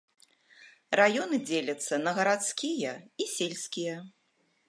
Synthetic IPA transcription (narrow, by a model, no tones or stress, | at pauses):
rajɔnɨd͡zʲelʲɐt̪sːɐnɐɣɐɾat̪skʲijɐisʲelʲsʲkʲijɐ